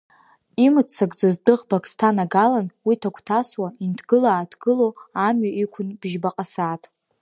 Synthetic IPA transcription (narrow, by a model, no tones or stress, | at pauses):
imɨt͡st͡saɡʼd͡zozdɨʁbakʼstʰanaɡalanwitʰakʷʰʼtʰaswaintʰɡɨlaːtʰɡ̥ɨloamɥaʔikʷʰʊnb̥ʒbaqʼasaːtʼ